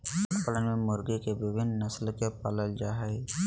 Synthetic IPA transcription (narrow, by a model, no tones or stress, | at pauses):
pələnmẽmʊɾɡikebɪbɪnnəslkepaləld͡ʒaɦɪ